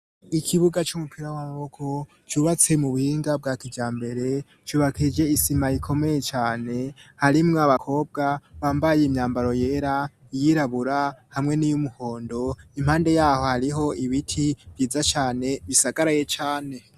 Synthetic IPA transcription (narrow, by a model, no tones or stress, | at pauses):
ikʰiβuɡat͡ʃumupʰiɾawamaβo̞kʰo̞ | t͡ʃuːβat͡se̞muβuhiːŋɡab̚ɡaːkiɟaːmbe̞ɾe̞ | t͡ʃuːβakʰid͡ʒe̞isimajikʰo̞me̞je̞t͡ʃaːne̞haɾimŋoaβakʰo̞ːb̚ɡaβaːmbajeimɲaːmbaɾo̞je̞ːɾa | ijiɾaβuɾahamŋe̞nijumuho̞ːndo̞im̥haːnde̞jaːho̞haɾiɦo̞iβitʰiv̥jiːzat͡ʃaːne̞βisaɡaɾaje̞t͡ʃaːne̞